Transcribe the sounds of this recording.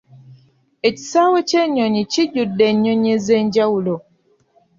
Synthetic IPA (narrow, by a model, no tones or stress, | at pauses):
eci̥saːwoceɲːoɲiciɟudːeɲːoɲezeːɲɟawulo